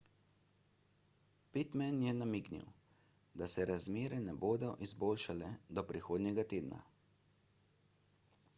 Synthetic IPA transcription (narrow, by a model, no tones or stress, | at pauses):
pit̪mɛnjɛnamiknḭw | d̪asɛɾazmeːɾɛnɛboːd̪ɔʔizboːlʃalɛd̪ɔpɾixoːd̪nɲjɛɡat̪eːd̪na̰